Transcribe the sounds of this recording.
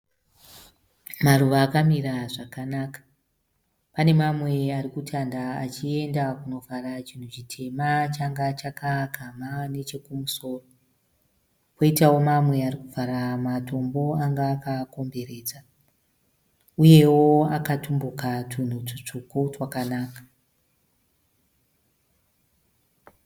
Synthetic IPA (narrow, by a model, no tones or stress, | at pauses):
maruʋaːkamiɾaʐakanaːkḁ | pane̞mamwe̞arikutʰandaat͡ʃie̞ndakuno̞vʱarat͡ʃin̤ut͡ʃitʰe̞mat͡ʃaŋɡat͡ʃakʰakamane̞t͡ʃe̞kumuso̞ːro̞ | ko̞itawo̞mamwe̞aɾikuvʱaɾamatʰo̞mbo̞aŋɡaːkako̞mbe̞ɾe̞ːd͡za | uje̞wo̞akatumbukatʰun̤ut͡ʂit͡ʂukuʐwakanaːkḁ